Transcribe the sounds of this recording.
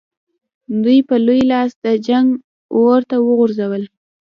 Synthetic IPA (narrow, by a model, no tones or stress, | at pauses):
d̪ujpəlujlɑsd̪əd͡ʒaŋɡ | woɾt̪awəɣʊɾzawəl